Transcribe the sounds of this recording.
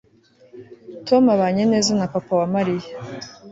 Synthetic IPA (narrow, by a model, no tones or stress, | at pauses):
tomaβaɲene̞ːzanapapawamaɾija